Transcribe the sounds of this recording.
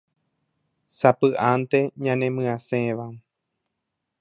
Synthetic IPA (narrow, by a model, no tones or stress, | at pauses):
sapɨʔant̪e̞ɲãnẽmɨ̃ãsẽʋa